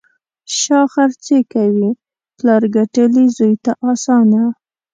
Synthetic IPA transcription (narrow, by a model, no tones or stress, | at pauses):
ʃɑxaɾt͡sekawi | plɑɾɡaʈəlizujt̪aʔɑsɑna